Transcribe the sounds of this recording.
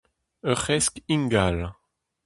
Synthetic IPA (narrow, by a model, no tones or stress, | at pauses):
œχɛskiŋɡal